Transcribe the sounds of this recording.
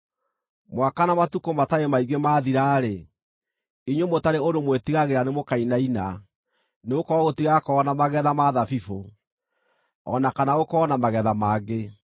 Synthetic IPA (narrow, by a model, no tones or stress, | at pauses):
mwakanamatukomataemaiɡemaːðiɾaːɾe | iɲwomotaɾeodomwetiɣaɣeɾanemokainaina | neokɔɔɣotiɣakɔːnamaɣɛðamaðafifo | ɔnakanaokɔːnamaɣɛðamaːɡe